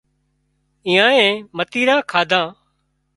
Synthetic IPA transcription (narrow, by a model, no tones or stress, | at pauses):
ĩːãːẽːmət̪iːɾãːkʰaːd̪ʱãː